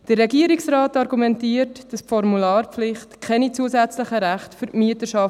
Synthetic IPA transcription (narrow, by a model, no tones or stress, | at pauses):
d̥ərːɛɡiəɾiksɾɑːtɑɾɡumɛntiːəɾtd̥ɑspfɔɾmulɑːrpflɪχtkʰɛnit͡suəsæt͡sləχəɾæχtfʏɾʔmyətəʃɑf